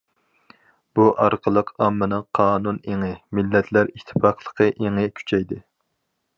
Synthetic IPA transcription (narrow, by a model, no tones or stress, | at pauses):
b̥uʔɑɾqʰəlˠəqɑmːɨnɨŋqʰɑːnuneŋɪmilːɛt̪ʰlæɾiʃt̪ʰːɨ̥pɑqlˠə̥qʰəʔeŋɪkʲʰy̥t͡ʃʰɛjd̪ɪ